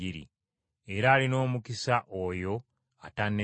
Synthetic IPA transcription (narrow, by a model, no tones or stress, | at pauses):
iɾḭ | e̞ɾaːlino̞ːmukisaʔojo̞ | atanːe